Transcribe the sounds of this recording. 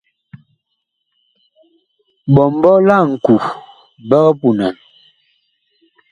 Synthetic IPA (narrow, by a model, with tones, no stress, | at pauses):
bɔ˨m˦bɔ˦la˦˨ŋ̩˨ku˨ | bə˦ɣə˦pu˨na˨n